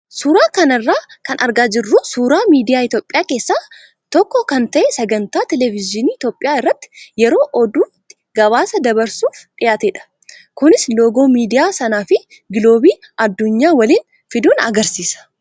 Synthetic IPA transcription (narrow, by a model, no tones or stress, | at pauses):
suːɾaːkɐnɐrːaːkɐnʔɐɾɡaːd͡ʒɪrːuːsuːɾaːmiːd̪ɪjaːɪt̪joːpʼːɪjaːke̞ːsːaː | t̪ɔkːɔkɐnt̪ɐʔɛsɐɡɐnt̪aːt̪ɛlɛvɪzɪniːɪt̪jo̞ːpʼːɪjaːɪrːɐt̪ːɪ̥jɛɾo̞ːʔɔd̪uːft̪ɪ̥ | ɡɐβaːsɐd̪ɐbɐɾsuːfᶑɪjaːt̪eːᶑɐ̥ | kʊnɪslo̞ːɡo̞ːmiːd̪ɪjaːsɐnaːfɪ | ɡɪlo̞ːbiː | ɐd̪ːʊɲːaːwɐliːn | fɪd̪uːnɐ̰ɡɐɾsiːsɐ̥